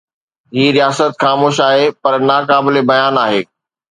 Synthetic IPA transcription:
ɦiːɾijaːsət̪xaːmoːʃaːɦepɐɾnaːkaːbɪlebɐjaːnaːɦeː

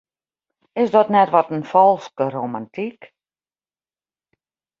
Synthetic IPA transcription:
ɪsdɔtnɛtʋɔtənfɔlˠskəromantʰik

